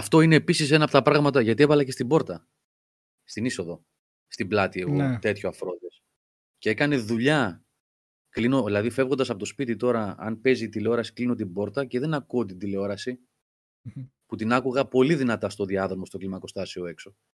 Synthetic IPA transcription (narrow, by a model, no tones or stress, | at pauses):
ɐft̪o̞ineːpisis̬e̞nɐpo̞t̪ɐpɾɐɣmɐt̪ɐʝɐt̪ie̞vɐlɐcest̪ibo̞ɾt̪ɐ | st̪iniso̞ðo̞ | st̪iblɐt̪ieɣot̪e̞t̪çoɐfɾo̞ðes | ceekɐne̞ðuʎɐ | klino̞ðilɐðife̞vɣond̪ɐsɐpot̪ospit̪it̪o̞ɾɐɐ̰npe̞ziːt̪ile̞o̞ɾɐsi̥klino̞t̪ibo̞ɾt̪ɐce̞ðe̞nɐkuot̪̬id̪ile̞o̞ɾɐsi | put̪inɐkuɣɐpo̞liðinɐt̪ɐst̪o̞ðiɐðoomo̞st̪oklimɐko̞st̪ɐsio̞e̞kso̞